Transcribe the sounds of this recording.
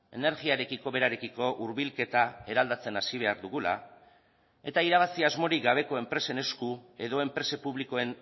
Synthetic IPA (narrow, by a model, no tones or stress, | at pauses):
e̞ne̞ɾɣiaɾe̞kiko̞βe̞ɾaɾe̞kiko̞ʔuɾβilke̞t̪ae̞ɾald̪at͡se̞nasiβ̞e̞aɾðuɣula̰ | e̞t̪aiɾaβ̞asiazmo̞ɾik̚ɡaβ̞e̞ko̞e̞mpɾe̞se̞ne̞skue̞ðo̞e̞mpɾe̞se̞puβ̞liko̞e̞n